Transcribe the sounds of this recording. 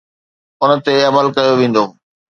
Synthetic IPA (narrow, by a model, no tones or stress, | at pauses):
ʊnət̪eɐməlkɐjoʋẽːn̆d̪oː